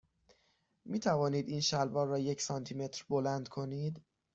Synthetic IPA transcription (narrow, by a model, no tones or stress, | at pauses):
miːt̪ʰævɒːniːd̪iːnʃælbɒːɾrːɒːjecʰsɒnt̪ʰiːme̞t̪ʰɾbo̞lænd̪kʰo̞niːd̪